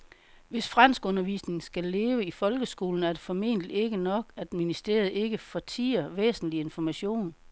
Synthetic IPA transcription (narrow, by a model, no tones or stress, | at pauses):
ʋe̝sfʁɑn̰sɡ̥ɔ̽nɐʋḭːsne̝ŋsɡ̥ælːe̝ːʊəifɒ̽lɡ̥əsɡ̥o̝̰ːln̩æɐ̥e̝fɒ̽me̝̰ːn̥lie̝ɡ̥ənɒ̽ɡ̥æd̥minisd̥e̝ɐ̰ð̞̩ˠe̝ɡ̥əfɒ̽t͡sʰḭːɐʋḛːsn̩lie̝nfɒmæɕo̝̰ːn